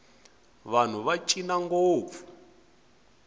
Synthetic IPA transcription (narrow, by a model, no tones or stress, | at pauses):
βan̤uβat͡ʃʼinaŋɡoːvu